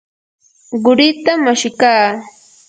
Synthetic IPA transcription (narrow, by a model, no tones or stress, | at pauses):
ɢʊɾɪt̪amːaʃɪkaː